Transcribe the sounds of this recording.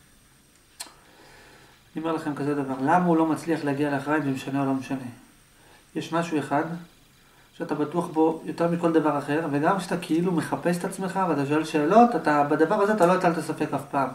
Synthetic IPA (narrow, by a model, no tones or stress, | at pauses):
aniomeʁlaχe̞mkazed̪avaʁlamaulo̞mat͡sliaχleaɡialeaχʁajimzemeʃaneolomeʃane̞ | jeʃmaʃue̞χad̪ | ʃeat̪abatuaχbo̞jo̞teʁmiko̞ld̪avaʁaχe̞ʁve̞ɡamkʃeat̪akʰeilume̞χape̞s̬e̥t̪at͡sme̞χaveat̪aʃ̬oelʃe̞ːlo̞t̪at̪abad̪avaʁazeataloatalt̪asafe̞kafpaːm